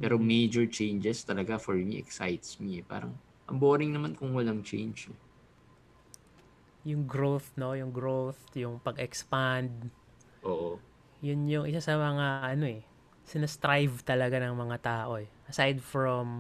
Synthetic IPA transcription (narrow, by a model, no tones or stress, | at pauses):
pɛːɾomejd͡ʒɛɹt͡ʃejnd͡ʒɛst̪ɐlɐɡafɔɹmḭʔɛ̰ksajt̪smiɛpa̰ːɾɐŋ | ʔɐmboːɾɪŋnɐmankʊŋwɐlaŋt͡ʃɛ̰jnd͡ʒɛ | jʊŋɡɾoθno̞jʊŋɡɾowθjʊŋpɐɡɛkspand̪̚ | ʔoːʔo | jʊnjʊŋʔɪsasɐmɐŋaʔɐno̞ɛ | sɪnɐst̪ɾajvt̪ɐlɐɡanɐŋmɐŋat̪aːʔo̞ɛʔɐsajd̪̚fɹom